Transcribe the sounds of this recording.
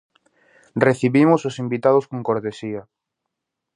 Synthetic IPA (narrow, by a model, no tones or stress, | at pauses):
reθiβimʊsosimbit̪aðʊskoŋkoɾt̪esia